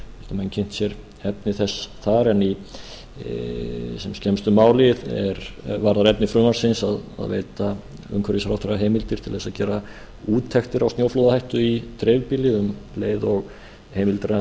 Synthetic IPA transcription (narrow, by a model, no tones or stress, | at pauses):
ɪ̥t̪amɛncʰɪn̥t̪sjɛɾ | ɛpnɪθɛsθaɾɛnːi | sɛmscɛmst̪ʏmaːwlɪðɛ̰ɾvaɾðaɾɛpnɪfɾʏːmaɾ̥sɪnsaða̰ðvḛːjt̪a | ʏ̰ŋkʰvɛɾisaɾawθɛraɦejmɪlt̪ɪɾt̪ʰɪlθɛsaðcɛːɾa | uːt̪ʰːɛxt̪ɪɾawst̪joːwflowðahajht̪ʏit̪ɾɛjvpɪlɪʏmleːjðɔɣ | heːjmɪlt̪ɾa